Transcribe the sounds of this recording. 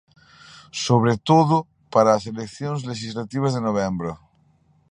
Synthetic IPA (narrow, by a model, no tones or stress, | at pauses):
soβɾet̪oðo | paɾaːs̬elekθjonzleʃizlat̪iβ̞azðenoβembɾo